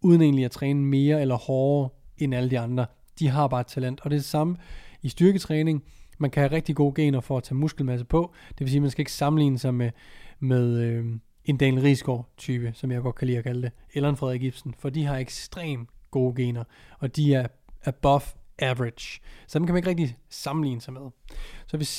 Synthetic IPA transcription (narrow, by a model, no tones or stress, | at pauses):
uð̞ˠəne̝ːnliæt͡sʰʁɛːnəme̝ːɐelɐhɒːɐenæləd̥iɑ̈nd̥ʁɐ | d̥iɦɑ̈b̥ɑ̈ːed̥̚t͡sʰælen̰d̥ɒ̽dɾ̥e̝d̥e̝sɑ̈məisd̥yɐɡ̥ət͡sʰʁɛːne̝ŋmænkʰæhæʁɛɡ̥̚d̥iɡ̥o̝ːɡ̥e̝̰ːnɐfɒ̽æt͡sʰɛ̰ːmusɡ̥l̩mæs̬əpʰɒ̽d̥e̝ʋe̝s̬iːmænsɡ̥æe̝ɡ̥əsɑ̈mn̩lḭːnəsɑ̈ɪmemeð̞ˠø | e̝nd̥ɛ̰ːlʁiːsɡ̥ɒ̰ːt͡sʰyːb̥əsɒ̽mjɑ̈ɪɡ̥ɒ̽d̥̚kʰælḭːɐkʰæləd̥e̝elɐænfʁɛ̰ðˠeɡ̥ib̥sn̩fɒ̽d̥iɦɑ̈eɡ̥sd̥ʁḛːmɡ̥o̝ːɡ̥e̝̰ːnɐɒ̽d̥iæɐ | ʔæb̥ɒ̽fʔæʋʁed̥sɒ̽d̥emkʰæmæneɡ̥ʁeɡ̚d̥isɑ̈mn̩lḭːnəsɑ̈ɪmeðˠsɒ̽ʋe